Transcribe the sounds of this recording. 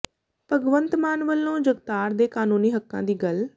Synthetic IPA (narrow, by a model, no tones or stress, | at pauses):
pəɡʋə̃nt̪maːnʋəlːõːd͡ʒəɡt̪aːɾd̪eːkaːnuːniːɦəkːã̰ːd̪iːɡəl